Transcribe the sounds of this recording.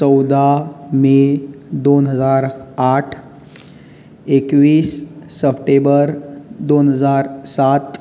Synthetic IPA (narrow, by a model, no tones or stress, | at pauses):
t͡səwd̪amed̪onɦəd͡zaɾaʈʰ | ekʋiːsːəpʰʈebəɾd̪onɦəd͡zaɾsat̪